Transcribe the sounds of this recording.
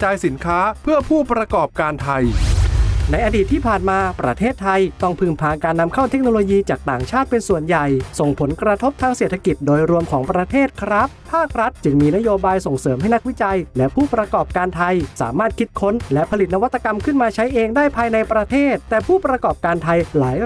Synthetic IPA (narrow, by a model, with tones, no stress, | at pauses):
t͡ɕaː˧jsi˩˦nkʰaː˦˥pʰɯ˥˩əpʰuː˥˩pɾa˧kɔː˨˩p̚kaː˧nt̪ʰa˧j | na˧jʔa˧diː˨˩t̪ʰːiː˥˩pʰaː˨˩nmaː˧pɾa̰˧t̪ʰeː˥˩t̪ʰːa˧jt̪ɔ˥˩ŋpʰɯː˨˩ŋpʰaː˨˧nkaː˧nːa˧mkʰa˥˩wt̪ʰe˦˥k̚noː˧loː˧jiː˧t͡ɕaː˨˩k̚t̪aː˨˩ŋt͡ɕʰaː˥˩t̪̚pe˧nsu˨˩ənja˨˩jso˨˩ŋpʰo˩˦nkɾa˧t̪ʰo˦˥p̚t̪ʰaː˧ŋseː˨˩t̪ʰa˧ki˨˩t̪̚doː˧jɾu˧əmkʰɔː˩˦ŋpɾa˧t̪ʰeː˥˩t̪̚kʰɾa˦˥pʰaː˥˩k̚ɾa˦˥t̪̚t͡ɕɯ˧ŋmiː˧na˦˥joː˧baː˧jso˨˩ŋsɤː˩˦mɦa˥˩jna˥k̚wi˦˥t͡ɕa˧jlɛ˦˥pʰuː˥˩pɾa˧kɔː˨˩p̚kaː˧nt̪ʰa˧jsa̰ː˩˦maː˥˩t̪̚kʰi˦˥t̪̚kʰo˦˥nlɛ˦˥pʰa˧li˨˩t̪̚na˧wa˦˥t̪ːa˧ka˧mkʰɯ˥˩nmaː˧t͡ɕʰa˦˥jʔeː˧ŋdaː˥˩jpʰaː˧jna˧jpɾa˧t̪ʰeː˥˩t̪ːɛː˨˩pʰuː˥˩pɾa˧kɔː˨˩p̚kaː˧nt̪ʰa˧jlaː˩˦j